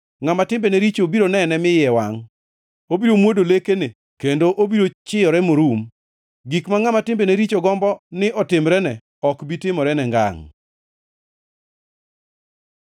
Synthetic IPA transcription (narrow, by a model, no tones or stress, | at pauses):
ŋamatɪmbeneɾit͡ʃobiɾonɛnɛmɪjɛwaŋ | obiɾomwodolekene | kendoʔobiɾot͡ʃɪjɔɾɛmoɾum | ɡikmaŋamatɪmbeneɾit͡ʃoɡɔmbɔnɪʔɔtɪmɾɛnɛ | ɔkbitɪmɔɾɛnɛŋɡa̰ŋ